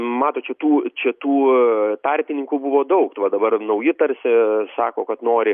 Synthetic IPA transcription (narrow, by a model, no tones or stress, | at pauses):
mɑːt̪oːt͡ʃʲɛt̪uːt͡ʃʲɛt̪uːt̪ɐɾʲpʲɪnʲɪŋkʊbʊʋoːd̪ɐʊkt̪ʋɐd̪ɐbɐrnɐʊjɪt̪ɐɾʲsʲɪsɑːkoːkɐt̪noːɾʲɪ